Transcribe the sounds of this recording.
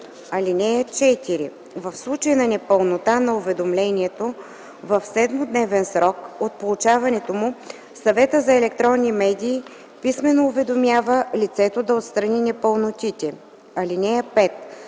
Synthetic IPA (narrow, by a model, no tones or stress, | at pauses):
ɐlinɛjət͡ʃɛt̪iɾḭ | vəfslˠut͡ʃəjnɐnɛpəlˠnot̪anɐʊvɛd̪omlɛnʲiɛt̪o | vɐfsɛd̪mod̪nɛvɛnsɾɔkot̪̚polˠut͡ʃavɐnɛt̪omʊ | sɐvɛt̪əzɐɛlɛk̚t̪ɾɔnːimɛd̪ʲiː | pismɛnoːvɛd̪omʲjavəlit̪sɛt̪od̪ɐot̪st̪ɾɐninɛpəlˠnot̪ʲit̪ʲɛ | ɐlinɛjəpɛt̪